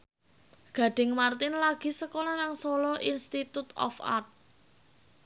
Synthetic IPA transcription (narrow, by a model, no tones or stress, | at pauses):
ɡ̥a̤ɖ̥ɪ̤ŋmart̪ɪnlaɡ̥i̤səkolɔnaŋsolɔʔinst̪it̪ut̪ɔ̰fa̰rt̪̚